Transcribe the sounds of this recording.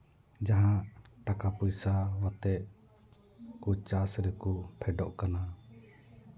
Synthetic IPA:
d͡ʒaɦãʔʈakapujsawat̪ɛʔ | kut͡ʃasɾɛkupʰɛɖɔʔkana

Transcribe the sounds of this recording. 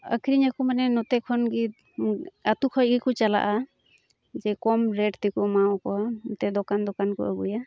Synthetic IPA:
ə̰kʰiɾiɲakɔmanɛnɔt̪ɛkʰɔnɡi | at̪ukʰɔjɡikɔt͡ʃala̰ʔa | d͡ʒɛkɔmɾɛʈt̪ɛkɔmawkɔt̪ɛd̪ɔkand̪ɔkankɔ̰ʔə̰ɡuja

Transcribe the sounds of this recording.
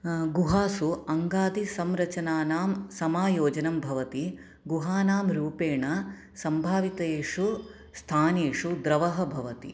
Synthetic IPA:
ɡuɦaːsuɐŋɡaːd̪isɐmɾɐt͡ʃɐnaːnaːmsɐmaːjoːd͡ʒɐnɐmbʱɐʋɐt̪i | ɡuɦaːnaːmɾuːpeːɳɐ | sɐmbʱaːʋit̪ɐeːʂu | st̪ʰaːneːʂud̪ɾɐʋɐɦɐ̆bʱɐʋɐt̪ḭ

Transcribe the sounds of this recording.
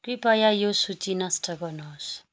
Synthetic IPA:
kripajajosut͡sinasʈʌɡʌnos

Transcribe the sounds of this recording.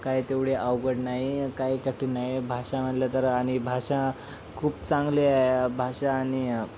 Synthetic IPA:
kajt̪eʋɽeʔawɡəʈnaɦikaikəʈʰinaɦjebʱaʂãm̤əɽlət̪əɾaɽ̃ibʱaʂã | kʰuːpt͡sãŋɡleabʱaɕaːɽ̃i

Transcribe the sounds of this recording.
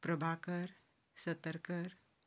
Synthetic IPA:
pɾəbʱakəɾ | sət̪əɾkəɾ

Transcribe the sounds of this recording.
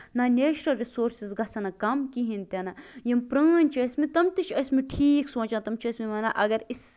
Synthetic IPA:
nanʲeːt͡ʃɾɐlɾisoːɾsizɡɐsɐnɐkɐmkiɦint̪ʲɐnɐjɐmpɾɐːnʲt͡ʃʰɐsʲmit̪ɐmt̪ɨt͡ʃʰɐsʲmiʈʰiːksõːt͡ʃãːt̪ɐmt͡ʃʰɐsʲmimɐːna̰ʔɐɡɐɾis

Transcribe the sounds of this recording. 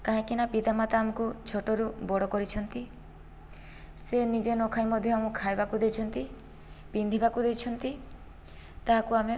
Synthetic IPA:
kaɦãkinapid̪amat̪aːmɔkut͡ʃʰoʈɔɾubɔɽɔkɔɾit͡ʃʰɔnt̪i | senid͡ʒenɔkʰajmɔd̪ʱjɔamũkʰajbakud̪et͡ʃʰɔnt̪i | pind̪ʱibakud̪ejt͡ʃʰɔnt̪i | t̪aɦakuame

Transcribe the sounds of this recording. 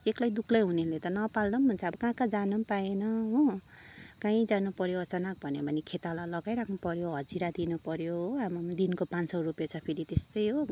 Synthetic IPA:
eklajd̪ukʰlʌjɦunelet̪ʌnʌpalnʌmːʱunt͡sʰaʌbʌkãkad͡zanʌmpaenʌɦo | kãĩd͡zanupʌɾjoʌt͡sanak̚bʱʌnebʱʌnikʰet̪alalʌɡajɾakʰnupʌɾjoɦʌd͡ziɾad̪inupʌɾjoamd̪inkopãnsʌrupjat͡sʰʌpʰeɾit̪est̪ʌjɦo

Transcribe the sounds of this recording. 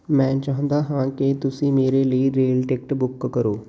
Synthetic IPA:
mɛ̃ːt͡ʃaːɦə̃nd̪aːɦãːkɪt̪ʊsĩːmeːɾeːləiɾeːlʈeːk̚ʈbʊkːəɾoː

